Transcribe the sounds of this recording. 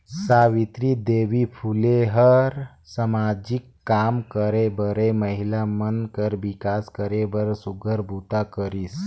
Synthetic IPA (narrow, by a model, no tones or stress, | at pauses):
saʋit̪ɾid̪eʋipʰuleɦəɾ | səmad͡ʒikːamkəɾebəɾeməɦilamənkəɾʋikaskəɾebəɾsuɡʱəɾbʱut̪akəɾis